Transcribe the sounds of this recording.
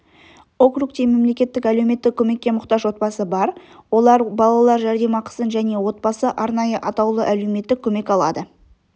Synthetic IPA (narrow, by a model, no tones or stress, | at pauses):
o̞krukt̪eme̞mle̞kʲe̞t̪ːɪkælewme̞t̪ːɪkʲʰɵme̞kʲːe̞mʊqt̪ɑʒwo̞t̪̚bɑsəbɑɾwo̞lˠɑɾbɑlˠɑlˠɑɾʒæɾd̪e̞mɑqʰə̥sənʒæne̞wo̞t̪̚bɑsəʔɑɾnɑjəʔɑt̪ɑwlˠəʔæle̞wme̞t̪ːɪkʲʰːɵme̞kɑlˠɑ̰d̪ə